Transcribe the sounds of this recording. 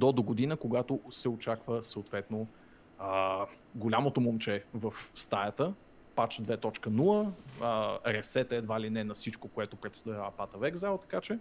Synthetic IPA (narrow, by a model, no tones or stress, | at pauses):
d̪ɔd̪oɡod̪inəkoɡat̪osɛot͡ʃakvəsəːt̪vɛt̪no | ə | ɡolʲamot̪omomt͡ʃɛvəfst̪ajət̪ə | pat͡ʃd̪vɛt̪ɔt͡ʃkənuəəɾɛsɛt̪əɛd̪valinɛnɐfsit͡ʃkokoɛt̪opɾɛt̪st̪avʲavəpat̪əvɛɡzalˠt̪ɐ̥kat͡ʃɛ